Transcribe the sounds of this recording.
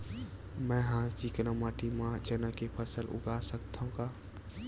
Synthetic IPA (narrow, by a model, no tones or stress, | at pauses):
mɛ̃ːɦãːt͡ʃiːknəmaːʈimãd͡ʒənəkepʰəsəlʔʊ̰ɡaːsəkt̪ʰaɦũɡaː